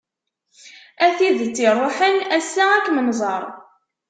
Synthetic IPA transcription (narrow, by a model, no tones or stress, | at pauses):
æθiðt͡sːirˤːoħənæsːaækːməmzˤɑɾˤ